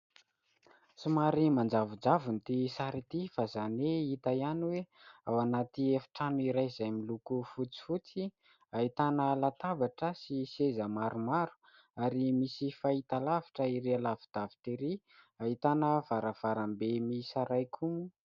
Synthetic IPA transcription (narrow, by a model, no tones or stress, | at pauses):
sumaɾimand͡zavund͡zavunt̪isaɾit̪ifazaneit̪ajaniweawanat̪iefi̥ʈ͡ʂanuiɾajzajmilukufut͡si̥fut͡si | aɦit̪anəlat̪avaʈ͡ʂəsisezəmaɾumaɾu̥ | aɾimisifait̪alaviʈ͡ʂəiɾealavid̪̥avi̥t̪eɾi | aɦit̪anəv̥aɾəv̥aɾambemisaɾajkʰumu